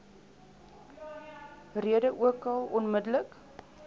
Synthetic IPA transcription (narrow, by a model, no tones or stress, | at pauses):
riədəʔuəkɐlˠɔnmədələk